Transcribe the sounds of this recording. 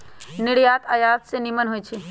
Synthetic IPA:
nɪɽjaːt̪ajaːd̪senimənɦojt͡ʃʰe

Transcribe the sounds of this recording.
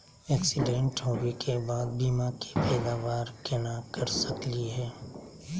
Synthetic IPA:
ɛːksɪɖẽɳʈɦoːɡekʰebaːd̪̚biːmake̥pɛːd̪aːʋaːɾkenakɐɾsəkliɦɛː

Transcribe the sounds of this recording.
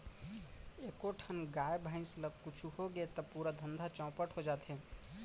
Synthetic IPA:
ekoʈʰənɡaebʱãɪ̃nsləɡ̚kut͡ʃʰuhoɡet̪əpuɾad̪ʱənd̪ʱat͡ʃɔ̃ːpəʈɦod͡ʒat̪ɦẽ

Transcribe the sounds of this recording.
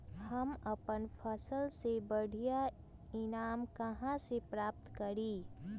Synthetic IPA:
həməpənpʰəsəlsebəɽʱija | ɪnaːmkəɦãsepɾaːp̚t̪kəɾiː

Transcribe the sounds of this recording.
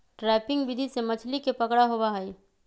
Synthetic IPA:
ʈɾɛːpɪ̃ŋɡbɪd̪ʱisemət͡ʃʰlikepəkɽaɦobaɦɛi

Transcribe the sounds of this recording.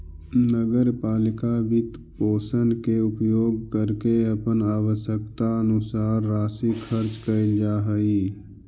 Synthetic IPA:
nəɡəɾpaːlɪkaʋɪt̪ | poːsənkeʊpjoːɡ̚kəɾkeɐpənaːwəʃjəkt̪aənʊsaːɾːaːsikʰəɾt͡ʃkəɪld͡ʒaːɦəi

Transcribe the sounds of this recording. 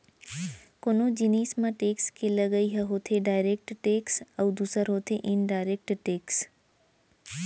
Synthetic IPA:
konod͡ʒiniːsmãʈeːkskeləɡəiɦɐɦoːt̪ʰeɖaːɪɾek̚ʈʈeːksɐwd̪uːsəɾɦoːt̪ʰeʔɪnɖaːɪɾek̚ʈʈeːks

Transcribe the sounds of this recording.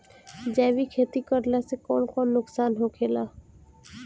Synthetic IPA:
d͡ʒɛːʋikʰeːt̪ikəɾlasekɔːnkɔːnːʊksaːnɦoːkʰeːlaː

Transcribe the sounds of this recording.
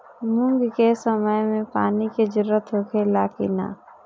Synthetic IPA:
mʊ̃ŋɡkesəməjmẽpaːniked͡ʒɪɾːət̪ɦoːkʰelaːkɪ̰na̰ː

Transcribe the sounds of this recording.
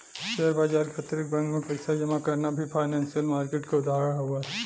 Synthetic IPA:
ʃeɾbaːd͡ʒaːɾkʰat̪ɾɪk̚bɐ̃ŋkmẽpɛɪsad͡ʒɐmakɐɾnabʱifʰaːɪnɛ̃ːnsijəlmaːɾkeːʈkaʊd̪ʱaːɦɾəɽ̃ɦuaɦɛ

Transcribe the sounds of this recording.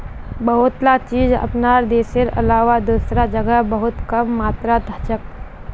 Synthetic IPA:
bəɦʊt̪lat͡ʃiːd͡ʒɐ̰pnaːɾd̪eːsɪɾɐ̰laːwad̪uːsɾad͡ʒəɡəɦbəɦʊt̪kɐmːaːt̪ɾad̪ʱət͡ʃək̚

